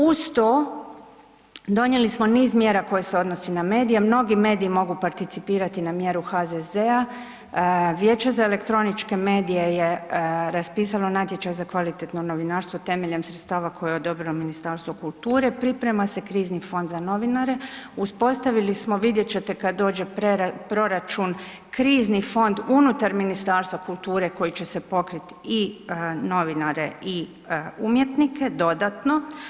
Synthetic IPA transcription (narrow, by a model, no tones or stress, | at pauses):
ust̪o | d̪o̞ɲje̞lismo̞niːzmje̞ːɾako̞jeseo̞d̪no̞siname̞ːd̪ijemno̞ɡime̞ːd̪iimo̞ɡupaɾt̪it̪sipiːɾat̪inamje̞ɾuxad̪eze̞a | ʋjeːt͡ɕe̞zae̞le̞kt̪ɾo̞nit͡ʃke̞me̞ːd̪ije̞jeɾaspiːsalonat̪je̞t͡ʃajzakʋalit̪et̪nono̞ʋinaɾst̪ʋot̪e̞me̞ʎe̞msɾet̪st̪aːʋakʰo̞jeo̞d̪o̞bɾilominist̪aɾst̪ʋo̞kulˠt̪uːɾe̞pɾipɾe̞mase̞kɾiːznifo̞nd̪zano̞ʋinaɾe̞uspo̞st̪aʋilismoʋid̪je̞t͡ɕe̞t̪e̞kad̪d̪o̞ːd͡ʒe̞pɾeɾapɾo̞ɾat͡ʃun | kɾiːznifo̞nd̪unut̪aɾminist̪aːɾst̪ʋokulˠt̪uːɾe̞ko̞jit͡ɕe̞se̞po̞kɾit̪ino̞ʋinaɾe̞̰ʔi | umjet̪nikʰe̞d̪o̞d̪at̪no̞